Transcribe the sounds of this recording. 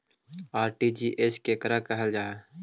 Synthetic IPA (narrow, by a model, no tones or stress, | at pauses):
aːɾʈiːd͡ʒiːʔeːskekəɾakəɦəld͡ʒaːɦ